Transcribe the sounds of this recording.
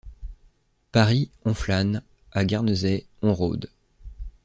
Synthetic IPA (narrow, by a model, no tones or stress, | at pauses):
paʁiɔ̃flan | aɡʲaʁnəzɛɔ̃ʁo̰d̪